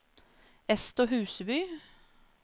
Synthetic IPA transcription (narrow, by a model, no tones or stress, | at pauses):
ɛst̪oːɦʉːsəbʏː